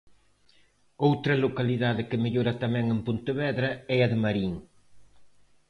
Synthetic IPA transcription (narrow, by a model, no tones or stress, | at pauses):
owt̪ɾɐlokɐliðaðɪkɪmeʎoɾɐt̪ɐmɛŋɪmpunt̪ɪβɛðɾɐɛɐðɪmɐɾiŋ